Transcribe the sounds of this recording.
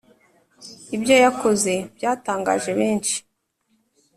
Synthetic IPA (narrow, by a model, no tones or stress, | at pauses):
ibjo̞jakʰo̞ze̞bjaːtaːŋɡa̰ːʒe̞βe̞ːnʃi̥